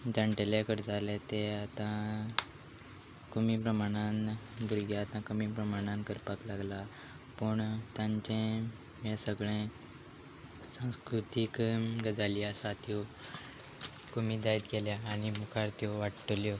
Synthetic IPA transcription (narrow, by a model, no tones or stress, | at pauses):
d͡ʑ̪ãɳʈeljakəɾd͡zalɛt̪eat̪ã | kumipɾəmaɽ̃anbʱuɾɡjaːt̪ãkəmipɾəmaɽ̃ãnkəɾpaklaɡla | pəɳt̪jãɲt͡ɕẽ | mãsəɡɭẽ | sãw̃skɾut̪ikɡəd͡zaljasat̪ʰjo | komid̪ait̪kɛljaːñimukʰaɾt̪jɔʋaʈʈəljɔ